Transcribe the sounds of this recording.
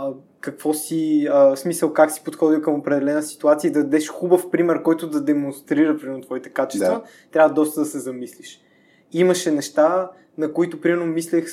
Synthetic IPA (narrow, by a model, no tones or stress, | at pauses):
kɐkv̥ɔsiəsmisəlˠkaksi̥pot̪xɔd̪ilkəmopɾɛd̪ɛlɛnəsi̥t̪uat̪sijəid̪ɐd̪ɛʃxubəfpɾimɛɾkɔjt̪ʊd̪ɐd̪ɛmõnst̪ɾiɾəpɾimɛɾnot̪vɔit̪ɛ̥kat͡ʃɛ̥st̪və | t̪ɾʲavəd̪ɔst̪əd̪ɐsɛzɐmisliʃ | iməʃɛnɛʃt̪a | nɐkoit̪ʊpɾimɛɾnomislʲɛx